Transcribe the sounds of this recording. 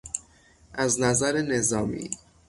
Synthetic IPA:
ʔæznæzæɾene̞zɒːmḭː

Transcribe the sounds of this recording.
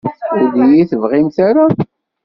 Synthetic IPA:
ud̪ijiθəvʁimθaɾa

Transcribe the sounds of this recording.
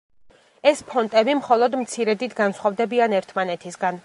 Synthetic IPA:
ɛspʰɔnt̪ʼɛbimχɔlˠɔd̪mt̪sʰiɾɛd̪it̪ʰɡansχwavd̪ɛbianɛɾt̪ʰmanɛt̪ʰisɡan

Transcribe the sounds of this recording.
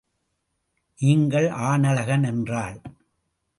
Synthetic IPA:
niːŋɡɐɭʔaːnɐlɐɣɐnɛndraːɭ

